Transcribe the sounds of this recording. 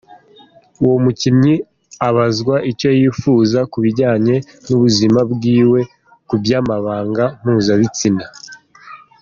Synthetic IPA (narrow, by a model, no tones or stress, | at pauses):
womucimɲi | aβazɡwaʔico̞jiːfuːzakuβiɟaːɲe̞ | nuβuzimabɡiːwe̞ | kubjaːmaβaːŋɡam̥uːzaβit͡sina